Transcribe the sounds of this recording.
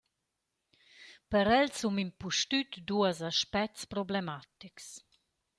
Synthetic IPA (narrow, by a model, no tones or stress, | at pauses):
pəɾɛlsumimpuʃt̪yt̪d̪uəsaʃpɛkspɾɔblemat̪iks